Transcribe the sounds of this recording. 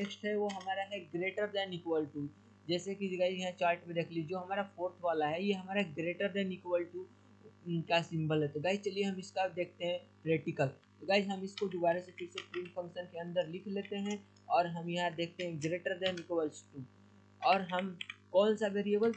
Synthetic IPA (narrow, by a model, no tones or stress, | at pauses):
eksʈɦɛʋoɦɐmaːɾaɦɛɡɾeːʈəɾd̪ɛ̃nɪkʋəlʈu | d͡ʒɛːsekid͡ʒɡaːɪd͡ʒjɐɦãt͡ʃaːɾʈmẽd̪eːkʰlied͡ʒoːɦɐmaːɾapʰoːɾt̪ʰʋaːlaɦɛjeɦɐmaːɾaɦɛɡɾeːʈəɾd̪ɛ̃nɪkʋəlʈu | kasɪ̃mbəlɦɛt̪oɡaːɪd͡ʒt͡ʃɐlieɦɐmɪskad̪eːk̚ʰt̪eɦɛ̃pɾɛːʈɪkəlt̪oɡaːɪd͡ʒɦɐmɪskod̪ʊbaːɾesepʰɪɾsepɾĩːmpʰɐ̃ŋkʃənkeɐ̃nd̪əɾlɪkʰleːt̪eɦɛ̃ | ɔːɾɦɐmjɐɦãd̪eːkʰt̪eɦɛ̃ɡɾeːʈəɾd̪ɛ̃nɪkʋəlsʈu | ɔːɾɦɐmkɔːnsaʋeːɾiebəl